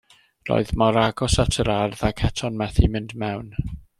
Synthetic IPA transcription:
ro̰ɨðmɔɾaɡɔsatʰəɾarðakʰɛtʰɔnmɛθimɪndmɛwn

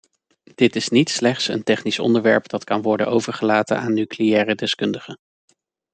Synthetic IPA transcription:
d̥ɪtɪsnitslɛχtsə̰ntɛχnisɔ̰ndəɹʋɛɹpd̥ɑtkɑnʋɔɹdənowvəɹχəlaːtə̰naːnːykleɛːrədɛskɵndəχə

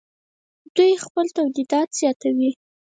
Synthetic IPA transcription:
d̪ujxpəlt̪awd̪id̪ɑt̪z̥jɑt̪awi

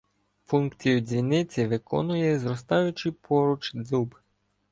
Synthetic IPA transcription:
funkt͡sʲijʊd͡zʲʋʲinɪt͡sʲiʋɪkɔ̰nʊjɛzɾɔst̪ɑjʊt͡ʃɪpʰɔɾʊt͡ʃd̪zub

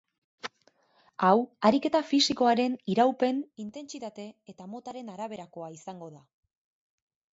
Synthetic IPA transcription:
awaɾike̞t̪afisiko̞aɾe̞niɾawpe̞nint̪e̞nt͡sit̪at̪e̞ːt̪amo̞t̪aɾe̞naɾaβ̞e̞ɾako̞aisaŋɡo̞ða

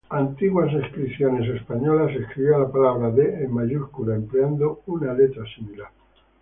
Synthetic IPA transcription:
ant̪iɣwas̬eskɾiθjone̞s̬espaɲolaseskɾiβjoalapalaβɾaðeːmːaʝuskulaempleand̪ounalet̪ɾasimila

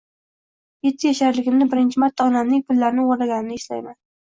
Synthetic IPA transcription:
je̞t̪ʰːɪjaʃaɾlɪɡʲɪmnɪbɪɾɪnt͡ʃʰɪmaɾt̪ʰːaɒnamnɪŋpʰʊlːaɾɪnɪoɾlaɡʲanɪnɪɪʃla̰jman

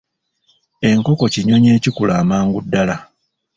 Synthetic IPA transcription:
e̞ŋko̞ko̞ciɲo̞ɲeːcikulaːmaːŋɡudːala

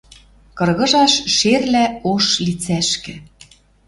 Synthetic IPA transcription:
kɤ̆rɣɤ̆ʒɑʃʃerlæoʃlit͡sæʃkɘ̆

